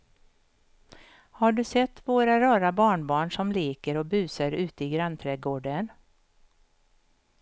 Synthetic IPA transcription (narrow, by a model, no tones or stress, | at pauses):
haɖɵsɛt̪ːvoːɾaɾɑːɾabɑːɳbɑːɳʂɔmleːkəɾɔbʉ̟ːsəɾʉ̟ːt̪əɪɡɾant̪ʰɾɛːɡoːɖən